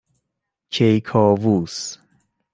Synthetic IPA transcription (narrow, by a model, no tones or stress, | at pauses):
t͡ʃʰejkʰɔːvuːs